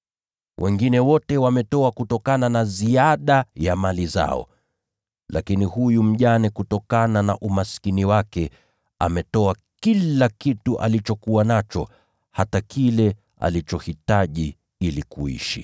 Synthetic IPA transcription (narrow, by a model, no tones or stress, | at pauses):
wʔɛŋɡinɛwɔtɛwamɛtɔakutɔkananaziaɗajamaliza̰ɔ̰ | lakinihujum̩ʄanɛkutɔkananaʔumaskiniwakɛ | a̰mɛtɔa | kilakituʔa̰lit͡ʃɔkuwanat͡ʃɔ | hatakilɛ | a̰lit͡ʃɔhitaʄi | ilikuḭʃi